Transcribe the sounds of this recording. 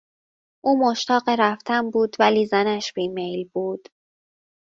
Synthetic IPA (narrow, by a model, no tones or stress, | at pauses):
ʔuːmoʃt̪ɒːɢeɾæft̪ʰæmbuːd̪væliːzænæʃb̥iːmejlbuːd̪̥